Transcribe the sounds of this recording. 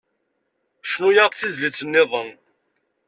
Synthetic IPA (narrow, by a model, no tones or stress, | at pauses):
ʃnujɑʁˤθizlit͡sːənːɪðˤən